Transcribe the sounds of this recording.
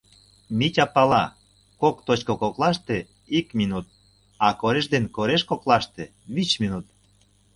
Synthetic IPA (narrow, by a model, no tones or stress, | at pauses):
mitʲɑpɑlɑ | kokt̪ot͡ɕkokoklɑʃt̪e | ikminut̪̚ | ɑkoɾeʃd̪enkoɾeʃkoklɑʃt̪e | βit͡ɕminut̪̚